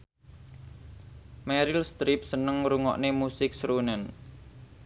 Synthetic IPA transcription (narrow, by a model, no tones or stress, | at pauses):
mɛɾilst̪ɾip̚sənəŋɾuŋɔ̰ʔnemusɪk̚sɾunɛn